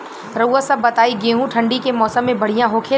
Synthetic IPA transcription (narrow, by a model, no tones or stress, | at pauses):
ɾɐuʋəsɐbːɐt̪aːiɡeːɦũʈʰɐ̃ɳɖikemɔːsəmːẽbɐɽ̤ijãɦoːkʰe